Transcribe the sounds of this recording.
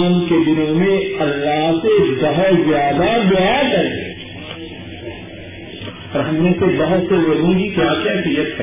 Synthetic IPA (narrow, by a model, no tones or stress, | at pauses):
mked̪ɪnõmẽɐlːaɦsebɐɦʊt̪zjaːd̪abjaːkɐɾ | ɔɾɦɐmnẽsebɐɦʊt̪seʋɐlõkikjaːkɛɦfijət̪ɦɛ